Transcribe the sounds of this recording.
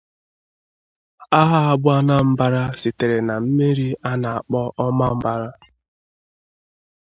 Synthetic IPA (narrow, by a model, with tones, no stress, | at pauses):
a˦ɦa˦a˦bʊ˦a˦na˦m̩˦ba˦ɾa˦sɪ˨te˨ɾe˨na˨m̩˦me˦ɾi˦a˦na˨a˨k͡pɔ˦ʔɔ˦ma˦m̩˦ba˦ɾa˦